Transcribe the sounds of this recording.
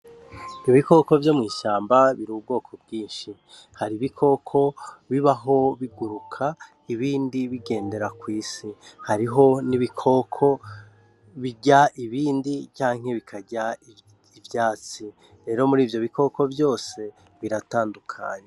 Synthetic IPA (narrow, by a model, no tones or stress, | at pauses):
niβiko̞ko̞vjo̞mŋiːʃaːmbaβiɾuːbɡo̞ːkʰo̞bɡiːnʃi | haɾiβikʰo̞kʰo̞βiβaɦo̞βiɡuɾukʰa | iβiːndiβiɡe̞ːnde̞ɾakwiːsihaɾiɦo̞niβikʰo̞kʰo̞ | βiɟaʔiβiːndit͡ʃaːŋ̥he̞βikʰaɟa | ivjaːt͡si | ɾe̞ːɾo̞muɾiːvjo̞βiko̞ko̞vjo̞ːse̞ | βiɾataːndukʰa̰ːɲe